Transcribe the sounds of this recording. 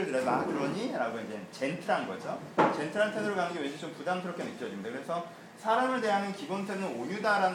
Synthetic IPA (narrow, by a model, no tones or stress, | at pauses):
ɯɭtɯɾesʰakɯɾʌɲiɾaɡoind͡ʑe̞t͡ɕe̞ntʰɯɾanɡʌ̰d͡ʑot͡ɕe̞ntʰɯɾantʰedɯɾoɭɡaŋŋɡeweɕʰit͡ɕompudamsʰɯɾokʰenɯk͈jʌd͡ʑimidakɯɾe̞sʰʌ | sʰaɾamɯɭde̞ɦanɯnkibontʰeɯɯnoɲudaɾan